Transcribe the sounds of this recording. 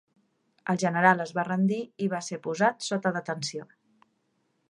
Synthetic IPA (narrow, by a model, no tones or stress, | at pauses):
əlˠʒənəɾalˠəzβarənd̪iiβasepuzat̪sot̪əðət̪ənsio